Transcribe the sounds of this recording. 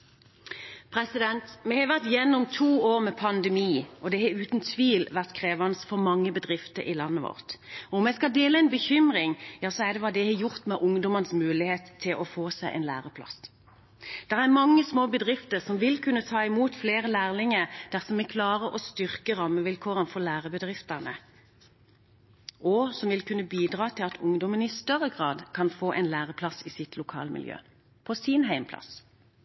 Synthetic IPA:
pʰʁɛsɪd̪ɛnt̪mɛhɑʋæʁt̪jɛnːʊmt̪ʰuːoːʁmɛpʰɑnd̪əmiːʔɔd̪ɛhɑʉːt̪nt̪ʰʋiːlʋæʁt̪kʰʁeːʋɑnsfɔʁmɑŋːəbəd̪ʁɪft̪əɾɪ̰lɑnːəʋɔ̰ʁt̪ɔʊmjæɪskɑld̪eːləɛɪnbəçʏmʁɪŋjɑːsɔæd̪ɛʋɑd̪ɛhɛjʊʁt̪mɛʔʊŋd̪ɔmənsmʉːlɪheːt̪ʰːɪlʔɔfoːsæɪʔɛ̰nlæ̰ːʁəpʰlɑ̰s | d̪̥ɛʁæʁmɑŋːəsmoːbəd̪ʁɪft̪əʁsɔmʋɪlkʰʉnːət̪ʰɑːɪmuːt̪fleːʁəlæːʁlɪŋəʁd̪̥æʁsɔmɛkʰlɑːʁəʔɔst̪ʏʁkəʁɑːmːəʋɪlkʰoːʁənfɔʁlæːʁəbəd̪ʁɪft̪ənə | ʔɔsɔmʋɪlkʰʉnːəbiːd̪ʁɑːt̪ʰɪlɑt̪ʰʊŋd̪ɔmənɪst̪œʁːəɡʁɑːd̪kʰɑnfoːʔɛ̰ɪnlæːʁəpʰlɑsiːsɪt̪ʰlʊkʰɑ̰ːləmɪ̰ljø̰ː | pʰɔsiːnɦæɪmpʰlɑ̰s

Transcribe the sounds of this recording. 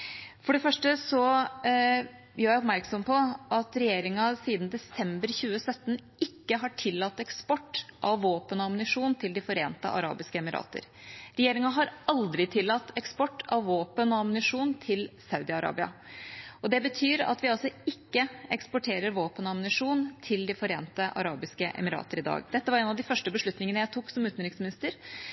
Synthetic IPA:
fɔɖɛfœʂʈəsɔ | jœːjæɪɔpmæɾksɔmpʰɔʔɑt̪ɾɛjeːɾɪŋɑsiːd̪nd̪ɛsɛmbəɾçʉːəsœt̪ːnʔɪkːəɦɑʈʰɪlːɑt̪ːɛkspɔʈːʔɑʋːoːpənɔɑmnɪʂuːnt̪ʰɪld̪ɪfɔɾeːnt̪ə̰ʔɑ̰ɾɑ̰ːbɪskəɛmɪɾɑ̰ːt̪ə̰ɾ | ɾɛjeːɾɪŋɑɦɑɾɑld̪ɾɪt̪ʰɪlːɑt̪ːɛkspɔʈːɑʋːoːpənɔɑmnɪʂuːnt̪ʰɪlsɑʉd̪ɪɑɾɑ̰ːbɪɑ̰ʔɔd̪ɛbət̪ʰyːɾɑ̰t̪ʋɪɑlsɔɪkːəɛkspɔʈʰeːɾəɾʋoːpənɔɑmnɪʂuːnt̪ʰɪld̪ɪfɔɾeːnt̪əʔɑ̰ɾɑːbɪskəʔɛ̰mɪɾɑ̰ːt̪əɾɪd̪ɑ̰ːɡd̪ɛt̪ːəʋɑɾɛːnɑʋd̪ɪfœʂʈəbəʂɭʉt̪nɪŋənəjæɪt̪ʰuːksɔmʉːt̪nɾɪŋsmɪnɪst̪əɾ

